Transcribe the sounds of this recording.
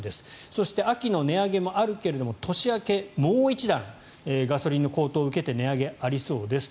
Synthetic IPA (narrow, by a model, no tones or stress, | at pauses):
d̪e̞sɨ̥so̞ɕi̥t̪e̞akʲino̞ne̞aɡe̞mo̞ʔaɾɯ̟ke̞ɾe̞d̪o̞mo̞t̪ʰo̞ɕiake̞moːit͡ɕid̪ãŋ | eɡaso̞ɾʲinːo̞ko̞ːt̪o̞ːɯ̟ke̞t̪e̞ne̞aɡe̞aɾʲiso̞ːd̪e̞sɨ̥